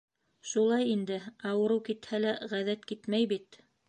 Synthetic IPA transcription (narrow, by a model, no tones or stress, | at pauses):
ʃulˠɑjind̪ɘɑwɤ̆ɾɤwkit̪hælæʁæðæt̪kit̪mæjbit̪